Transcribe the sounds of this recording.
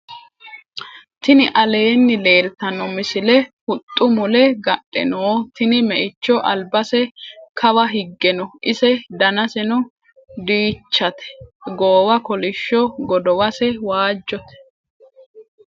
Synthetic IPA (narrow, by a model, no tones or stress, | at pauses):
t̪ɪnɪʔɐle̞ːnːɪle̞ːlt̪ɐnɔmɪsɪlɛhʊt̪ʼːʊmʊlɛɡɐɗʼːɛ̰noːt̪ɪnɪmɛʔɪt͡ʃːɔʔɐlbɐsɛkʰɐwɐɦɪɡːɛnɔʔɪsɛd̪ɐnɐsɛnʊ | d̪iːt͡ʃːɐt̪ɛ̥ɡoːwɐkɔlɪʃːɔɡɔd̪ɔwɐsɛwaːd͡ʒːɔt̪ɛ̥